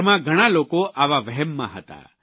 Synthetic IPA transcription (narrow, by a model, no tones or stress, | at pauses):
mãɡʱəɽ̃alokoʔaʋaʋəɦɛmːã̰ɦət̪a̰